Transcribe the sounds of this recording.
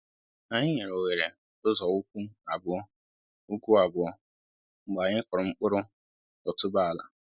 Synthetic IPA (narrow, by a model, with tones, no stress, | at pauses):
na˨ɲɪ˦ɲe˨ɾo˨we˨ɾe˨ | ʊ˦zɔ˨u˦kʷu˦a˨bʊ˦ | u˦kʷu˦a˨bʊ˨˦ɔ˦ | ŋ͡m̩˨ɡ͡ba˨ɲɪ˦kʊ˨ɾʊ˨ŋ͡m̩˦k͡pʊ˦ɾʊ˦ | ɔ˨tʊ˦ba˦˨la̰˨